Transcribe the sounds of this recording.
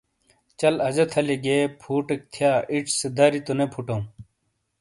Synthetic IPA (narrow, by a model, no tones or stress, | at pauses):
t͡ɕɐlɐzɐt̪ʰɐleɡeːpʰuːʈek̚t̪ʰjaːʔiʈ͡ʂʰsed̪ɐːɾit̪onepʰuʈɐũ